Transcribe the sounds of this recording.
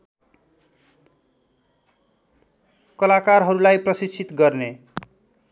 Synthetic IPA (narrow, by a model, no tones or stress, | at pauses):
kʌlakarɦʌɾulajprʌsit͡sʰːit̪ɡʌrne